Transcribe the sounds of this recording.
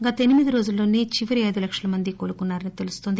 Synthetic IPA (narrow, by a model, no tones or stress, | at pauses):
ɡɐt̪ɐenimid̪iɾo̞ːd͡ʒulːo̞ːneːt͡ʃiʋɐɾiɐjd̪ulɐkʂɐlɐmɐnd̪ikoːlukunːaːɾɐnit̪e̞lust̪o̞nd̪i